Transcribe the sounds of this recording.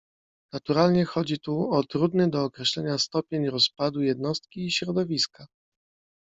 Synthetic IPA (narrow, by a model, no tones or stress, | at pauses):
nat̪uɾalɲɛxɔd͡ʑit̪uɔt̪ɾud̪nɘd̪ɔːkɾɛɕlɛɲast̪ɔpʲjeɲɾɔspad̪ujɛd̪nɔst̪̚kʲiːɕɾɔd̪ɔvʲiska